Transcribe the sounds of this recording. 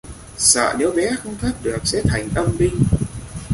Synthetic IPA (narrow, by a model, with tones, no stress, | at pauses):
sə̰ː˧˨ne˨˦wɓɛ˨˦xə˧wŋ͡mt̪ʰə˦˥t̚ɗɨ˨˩ək̚sɛ̰˧˥t̪ʰa˨˩jŋ̟ʔə˧mɓï˧ŋ̟